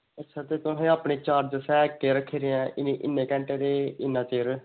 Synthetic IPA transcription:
ətːʃʰaːt̪eːt̪ʊɦẽːaːpɳeːt͡ʃaːɾd͡ʒsɛːkːeːɾəkʰːeːɾɪɛ̃ːʔɪneʔɪnːẽːkɛ̃ɳʈeːɾeːɪnːãːt͡ʃeːɾ

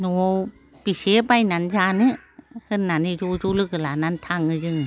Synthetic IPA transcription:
nuo | pisepajnanzanɯ | hɯnːanizuzulɯkɯlanant̪ʰaŋɯd͡ʒɯŋ

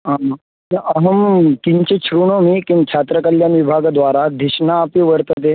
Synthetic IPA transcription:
ã | nəɦəmkiɲt͡ɕet͡ɕʰɾuɳ̃omiːkinkɕʰat̪ɾəkəljanʋibʱaɡd̪ʋaɾad̪ʱiɕnaːpiʋəɾt̪at̪e

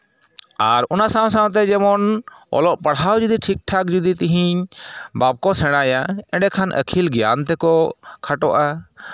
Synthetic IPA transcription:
a̰ɾɔnasãs̬ãt̪̬ɛd͡ʒɛmɔn | ɔ̰lɔʔpəɽɦawd͡ʒud̪iʈʰik̚ʈʰak̚d͡ʒud̪it̪iɦiɲbap̚kɔsɛɽ̃ajaɛ̃ɖɛkʰanʔə̰kʰilɡja̰nt̪ɛkɔkʰaʈɔʔa

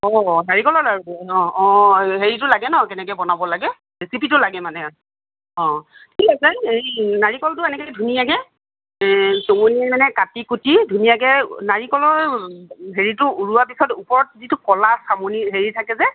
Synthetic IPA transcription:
ɔnaɹikɔlɔɹaɹuɔ̃ɔ̃ɦeɹitʊlaɡɛnɔkɛnɛkɛjbɔnabɔlaɡɛ | ɹisipitʊlaɡɛmanɛ | ɔ̃tʰikasɛejnaɹikɔltʊɛnɛkedʱunijakɛ | toŋuniamanɛkatikutidʱunijak̬ɛnaɹikɔlɔɹ | ɦeɹitʊuɹuwapisɔtupɔɹɔt̚zitukɔlasamuniɦeɹitʰakɛzɛ

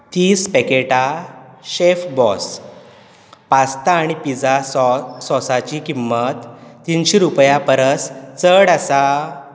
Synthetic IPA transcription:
t̪iːspekeʈaɕefbɔs | past̪aːɽ̃ipid͡zasɔsat͡ɕikimːət̪ːinɕiɾupjapəɾəst͡səɽasa

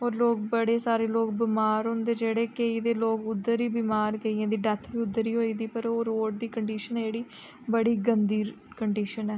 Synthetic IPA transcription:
oːɾloːk̚bəɽeːsaːɾeːloːk̚bɪmaːɾɦõːnd̪eːd͡ʒeːɽeːkeiːd̪eːloːkʊd̪ːəɾiːbimaːɾkeiːãːd̪iːɖət̪ʰʋiːʊd̪ːəɾiːɦoːiːd̪iːpəɾoːɾoːʈ̚d̪iːkəɳɖiːʃənɛːd͡ʒeːɽiː | bəɽiːɡənd̪iːɾ | kəɳɖiːʃənɛː

